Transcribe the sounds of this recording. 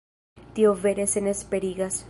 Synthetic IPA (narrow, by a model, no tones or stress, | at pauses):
t̪iove̞ɾesenespeɾiɡas